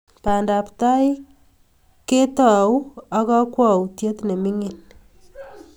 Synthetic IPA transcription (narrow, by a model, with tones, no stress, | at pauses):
pa˨nda˨pta˦j | ke˦ta˨wa˦kɔ˦kwɔ˨wtje˦tne˨mi˦ŋi˨n